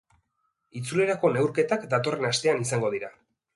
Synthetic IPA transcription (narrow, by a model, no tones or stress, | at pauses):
it͡sule̞ɾako̞ne̞wɾke̞t̪akd̪at̪o̞re̞nast̪e̞anisaŋɡo̞ð̞iɾa